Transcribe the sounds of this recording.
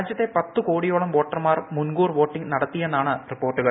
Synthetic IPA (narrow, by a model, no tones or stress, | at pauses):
d͡ʑjɐt̪ːe̞pɐt̪ːukoːɽijo̞ːɭɐmʋo̞ːʈːɐrmaːrmunɡuːrʋo̞ːʈːiŋɡnɐɽɐt̪ːijenːaːɳɨripːo̞ːrʈːuɣɐɭ